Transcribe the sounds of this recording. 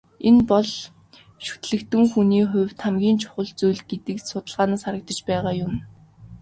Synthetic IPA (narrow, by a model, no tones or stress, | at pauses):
enpɔɮ | ʃu̥t̪ɮɘ̆kt̪ɘ̆ŋxuniːχʊ̟wʲt̪ʰamɡʲiːnt͡ɕʰʊ̥χə̆ɮt͡sujɮɡet̪ɘ̆ksʊt̪ə̆ɮʁaːnaːsχaɾə̆k̚t̪ə̆t͡ɕpæːʁaːjʊm